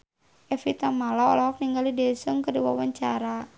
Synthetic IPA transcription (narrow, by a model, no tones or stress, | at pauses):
ʔɛfit̪amalaɔ̰lɔɦɔk̚niŋɡalidɛsəŋkədiwawaɲt͡ʃaɾa